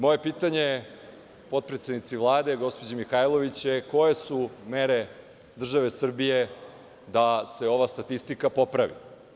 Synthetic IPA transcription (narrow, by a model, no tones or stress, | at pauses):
mo̞je̞piːt̪aɲe | po̞t̪̚pɾet̪sed̪nit̪siʋlˠaːd̪eɡo̞spod͡ʑemixajlˠo̞ʋit͡ɕjeko̞jesumeɾe | d̪r̩ʒaʋesr̩bije̞ | d̪ase̞o̞ʋast̪at̪ist̪ikapo̞pɾaʋḭ